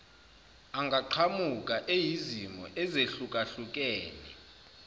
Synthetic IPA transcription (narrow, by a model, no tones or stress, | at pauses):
aŋɡʱaǃʰamukʼaʔejizimɔ̰ʔɛzeɬukʼaɬuk̬ʼɛːnḭ